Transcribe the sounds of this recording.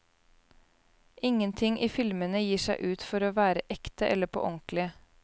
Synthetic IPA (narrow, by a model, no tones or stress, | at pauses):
ʔɪŋənt̪ʰɪŋʔiːfɪlmənəjiːʂæɪʔʉːt̪fɔɾoːʋæːɾəʔɛkt̪əʔɛlːəpʰo̰ʔɔŋklɪə